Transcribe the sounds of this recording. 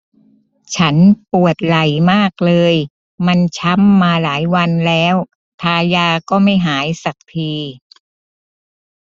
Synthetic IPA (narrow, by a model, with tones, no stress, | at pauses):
t͡ɕʰa˦˥npu˨˩ət̪̚la˨˩jmaː˥˩k̚lɤː˧j | ma˧nt͡ɕʰa˦˥mːaː˧laː˩˦jwa˧nlɛː˦˥w | t̪ʰaː˧jaː˧kɔː˥˩ma˥˩jɦaː˩˦jsa˨˩k̚t̪ʰiː˧